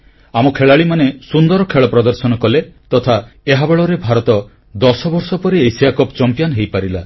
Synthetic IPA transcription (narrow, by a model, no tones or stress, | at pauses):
amɔkʰeɭaɭimanesund̪ɔɾɔkʰeɭɔpɾɔd̪ɔɾsɔnɔkɔlet̪ɔt̪ʰaeɦabeɭɔɾebʱaɾɔt̪ɔ | d̪ɔsɔbɔɾsɔpɔɾiejsijakɔpt͡ʃɔmpijanɦejpaɾila